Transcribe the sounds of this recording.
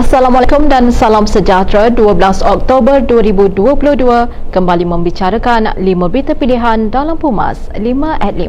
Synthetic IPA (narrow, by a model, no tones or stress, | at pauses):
asalamalakumdansalamsəd͡ʒat̪ɾaduəbəlasɔk̚t̪obərduəɾibuduəpuluhduə | kəmbalimə̃mbit͡ʃaɾakanlimə̃bit̪əpiliɦandalampuma̰slimə̃ʔɛt̪̚li